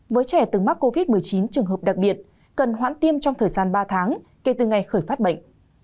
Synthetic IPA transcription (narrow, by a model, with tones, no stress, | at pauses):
vəː˨˦jt͡ɕɛ˧˩t̪ɨ˨˩ma˦˥k̚ko˧vi˦˥t̚mɨ˨˩əjt͡ɕi˨˦nt͡ɕɨ˨˩əŋɦə˨˩p̚ɗa˨˩k̚ɓi˨˩ət̚ | kə˨˩nɦwa̰ː˧˥nt̪i˧əmt͡ɕɔ˧ŋ͡mt̪ʰəː˨˩jzaː˧nɓaː˧t̪ʰaː˨˦ŋke˧˩t̪ɨ˨˩ŋa˨˩jxəː˧˩jfaː˦˥t̚ɓə̰˧˨ŋ̟